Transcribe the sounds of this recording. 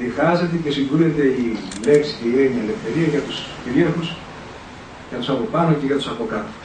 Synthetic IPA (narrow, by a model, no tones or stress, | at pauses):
ðiɣɐze̞t̪ece̞siŋɡuɾet̪e̞ile̞ksi̥ceiɾeɲɐele̞fθe̞ɾiɐʝɐt̪usciɾiɐɾxus | ʝɐt̪usɐpo̞pɐno̞ceʝɐt̪usɐpo̞kɐt̪o̥